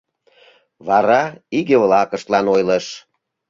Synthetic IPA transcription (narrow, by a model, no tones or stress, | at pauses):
βɑɾɑiɣeβlɑkə̆ʃt̪lɑnojləʃ